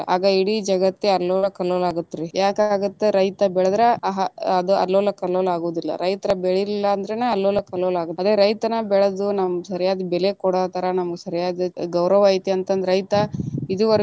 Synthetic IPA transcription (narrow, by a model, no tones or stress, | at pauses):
a̰ːɡɐiɽid͡ʒɐɡɐt̪ːeɐlːɔːlɐkɐloːlaːɡut̪ːiɾijaːkaːɡut̪ːeɾɐjt̪ɐbɛɭɐd̪ɾeɐɦɐɐd̪uɐ̰lːoːlːɐkɐlolaːɡoːd̪ilːɐ̰ɾɐjt̪ɐɾɐbɛɭilːɐːnd̪ɐɾeneɐlːoːlːɐkɐloːlaːɡut̪ːɐd̪ɾeɾɐjt̪ɐnɐbɛɭɐd̪unɐmsɐɾijaːd̪ibɛlekɔɽaːt̪ɐɾɐnɐmɐɡesɐɾijaːd̪iɡɐwɾɐʋait̪iɐnt̪ɐnd̪ɾɐjt̪ɐid̪uʋɐɾ